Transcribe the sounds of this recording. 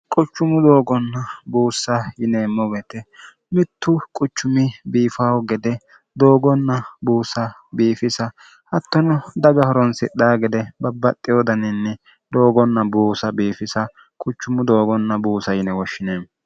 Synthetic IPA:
kʼʊt͡ʃːʊmʊd̪o̞ːɡɔnːɐbuːsːɐjɪneːmːɔbɛt̪ɛ | mɪt̪ːʊkʼʊt͡ʃːʊmɪbiːfawɔɡɛd̪ɛ | d̪o̞ːɡɔnːɐbuːsɐbiːfɪsɐ | hɐt̪ːɔnɔd̪ɐɡɐhɔɾɔnsɪɗaːɡɛd̪ɛbɐbːɐt̪ʼːɪjoːd̪ɐnɪnːɛ | d̪o̞ːɡɔnːɐbuːsɐbiːfɪsɐ | kʼʊt͡ʃːʊmʊd̪oːɡɔnːɐbuːsɐjɪnɛwɔʃːɪneːm

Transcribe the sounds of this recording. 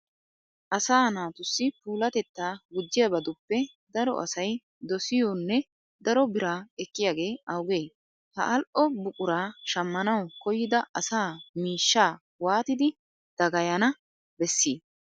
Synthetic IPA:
ʔɐsaːnaːt̪ʊsːɪpuːlɐt̪ɛt̪ːaːɡʊd͡ʒːɪjɐbɐd̪ʊpːɛ | d̪ɐɾɔ̰ʔɐ̰sɐj | d̪ɔsɪjɔnːɛ | d̪ɐɾɔbɪɾaːɛkːɪjaːɡe̞ːɐwɡeː | hɐ̰ʔɐlʔɔbʊkʼʊɾaːʃɐmːɐnɐwkɔjːɪd̪ɐʔɐsaːmiːʃːaː | waːt̪ɪd̪ɪ | d̪̥ɐɡɐjɐnɐ | bɛsːiː

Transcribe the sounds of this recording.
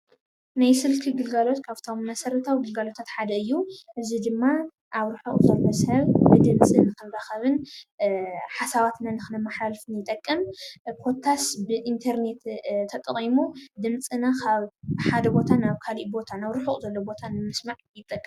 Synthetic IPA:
najsɨlkʰiɡɨlɡalo̞t̪kʰaft̪ʰo̞mmɐsɐɾɐt̪ʰawɡɨlɡalo̞t̪ʰat̪ħad̪ɐɨjːuʔɨzid̪ɨmːa | ʔaβɾɨħuχʼzɐlmɐshɐβbɨd̪ɨmt͡sʼɨnɨkɨnɾaxɐβɨn | ħasaβat̪nanɨxɨnɐmːaħalfɨnjɪt̪ʼɐkʼːɨmpʰo̞t̪ʰasbɨʔint̪ʰɐɾne̞t̪t̪ʰːɐt̪ʼɐχʼimud̪ɨmt͡sʼɨnakʰaβħad̪ɐbo̞t̪ʰanaβkʰaliʔbo̞t̪ʰanaβɾɨħuχʼzɐlːobo̞t̪ʰanɨmɨsmaʕjɪt̪ʼːɐkʼːɨ

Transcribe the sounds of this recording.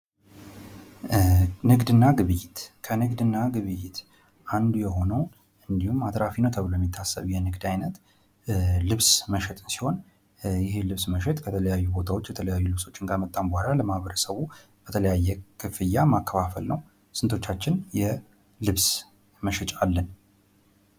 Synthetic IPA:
nɨɡd̪ɨnːaɡɨβɨjːɪt̪kʰənɨɡd̪ɨnːaɡɨβɨjːɪt̪ | ʔand̪ujɛɦo̞nəw | ɨnd̪ihumat̪ɾafinəwt̪ʰəβlojɛmːit̪ʰːasːə̰βjɛnɨɡd̪ajnət̪ | lɨβsməʃɛt̪ʼɨnsi̥ho̞n | jɪɦe̞lɨβsməʃɛt̪ʼkʰət̪ʰələjajːubo̞t̪ʰawo̞t͡ʃːjɛt̪ʰələjajːulɨβso̞t͡ʃːɨnkʰamət̪ʼːambəhalaləmahβəɾəsəβu | b̥ət̪ʰələjajːɛkʰɨfɨjːamakʰːəfafə̰lnəw | sɨnt̪ʰo̞t͡ʃːat͡ʃːɪnjɛ | lɨβs | məʃɛt͡ʃʼalːən

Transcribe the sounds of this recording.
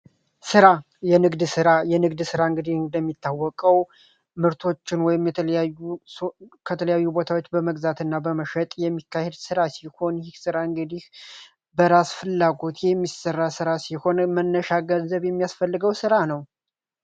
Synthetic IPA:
sɨɾa | jɛnɨɡd̪sɨɾajɛnɨɡd̪sɨɾaɨŋɡɨd̪ihd̪əmːit̪ʰːawːɔkʼəw | mɨɾt̪ʰo̞t͡ʃːɪnwɔjɪmjɛt̪ʰəljajːu | kʰət̪ʰələjajːubo̞t̪ʰawot͡ʃːbəməɡzat̪ɨnːabəməʃɛt̪ʼjɛmːikʰːahed̪sɨɾasiho̞nɪhsɨɾaɨŋɡɨd̪ih | bəɾasfɨlːaɡo̞t̪jɛmːisərːasɨɾasiho̞nmənːəʃaɡənzəβjɛmːijasfəlːɨɡəwsɨɾanəw

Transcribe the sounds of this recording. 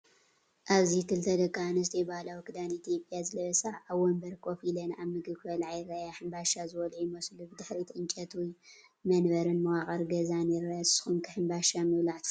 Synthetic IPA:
ʔaβzit̪ʰɨlt̪ʰɐd̪ɐkʼːanɐst̪ʰɐjbalawkʰɨd̪anit̪ʰjopʼjazɨlɐβɐsaʕaβwɔmbɐɾkʰʼofilɐnaβmɨɡɨβkʰɐlʕajrajaħɨmbaʃazɨwɔlʕujmɐslubɨd̪ɨħɾit̪ʰɨnt͡ʃʼɐt̪ʰuj | mɐnbɐɾɨnmɐwakʼɐɾɡɐzanɛɾajassɨ̥xunkʰɨħɨmbaʃamɨwlaʕt̪ʰ

